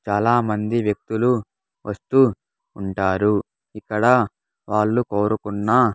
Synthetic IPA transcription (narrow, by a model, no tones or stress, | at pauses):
t͡ʃaːlaːmɐnd̪iʋjɐk̚t̪ulu | ʋɐst̪uː | uɳʈaːɾu | ikːɐɽɐ | ʋaːɭːukoːɾukunːa